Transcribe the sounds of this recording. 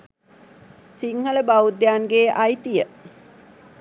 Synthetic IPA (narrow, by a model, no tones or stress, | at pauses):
siŋhələbaud̪jaːŋɡeːʔɐjt̪ijə